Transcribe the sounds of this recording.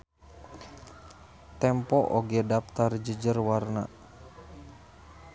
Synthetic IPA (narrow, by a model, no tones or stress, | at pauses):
t̪ɛmpɔʔoɡɛdap̚t̪ard͡ʒəd͡ʒərwarna̰